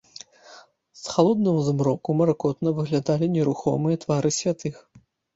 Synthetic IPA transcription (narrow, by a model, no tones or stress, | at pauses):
sxalˠɔd̪̚nɐmuzmɾɔkumɐɾakɔt̪nɐvɨɣlʲad̪alʲinʲɛɾuxɔmɨjɐt̪vaɾɨsʲvʲat̪ɨx